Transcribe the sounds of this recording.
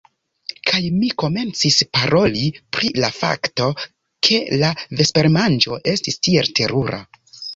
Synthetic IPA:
kʰajmiko̞me̞nt͡sispaɾo̞lipɾilafa̰kto̞ | kʰe̞lave̞spe̞ɾmand͡ʒo̞ʔe̞stistie̞ltʰe̞ɾuɾa̰

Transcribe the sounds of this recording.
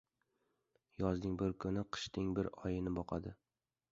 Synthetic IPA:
jɒzd̪ɪŋbɪɾkʰʊnɪqʰɨ̥ʃt̪ɪŋbɪɾɒjɪnɪbɒqʰɑ̰d̪ɪ

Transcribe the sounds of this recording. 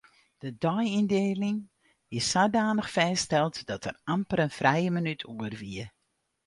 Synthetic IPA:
d̥ədɔjindeːlɪŋ | ɪsːadaːnəxfɛːstɛlˠtd̥ɔtʰərampəɾənfrɛjəmənytʰuərʋiə

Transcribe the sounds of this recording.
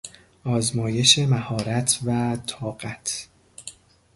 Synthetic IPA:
ʔɒːzmɒːje̞ʃe̞mæhɒːɾæt̪ʰvæt̪ʰɒːɢæt̪ʰ

